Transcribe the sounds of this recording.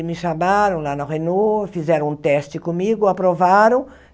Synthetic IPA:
mɪʃamaɾɐ̃w̃lanaʁenofizɛɾɐ̃ũt̪ɛst͡ʃɪkomiɡʊapɾovaɾõw̃

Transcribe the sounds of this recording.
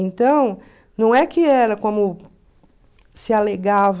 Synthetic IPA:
ẽnt̪ɐ̃w̃ | nɐ̃w̃ɛkɪɛɾɐkõmʊ | sɪaleɡav

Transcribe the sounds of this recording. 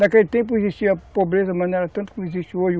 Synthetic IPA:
d̪ɐkelit̪ẽp̬uiziʃt͡ʃiɐpobɾezɐmɐneɾɐt̪ɐ̃t̪u̥kõmizit͡ʃioʒ

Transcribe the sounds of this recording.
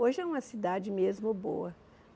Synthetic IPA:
oʒɪɛũmɐsid̪ad͡ʒɪmezmʊbo̰wɐ

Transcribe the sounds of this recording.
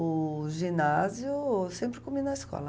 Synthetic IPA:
ʊʒĩnazjʊsẽmpɾɪkominɐiskɔ̰lɐ

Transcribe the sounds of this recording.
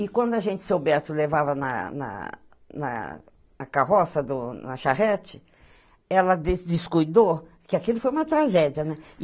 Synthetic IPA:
ɪkwɐ̃nd̪ʊaʒẽnt͡ʃɪ̥seobɛɾt̪ʊlevavɐnɐ̰nɐ̰ | nɐ̰ | ɐkaɦɔsɐd̪ʊnɐʃahɛt͡ʃɪ̥ | ɛlɐd̪esd͡ʒ̪ɪskujd̪o | kɪakilʊfojũmɐt̪ɾaʒɛd͡ʒɐnɛ

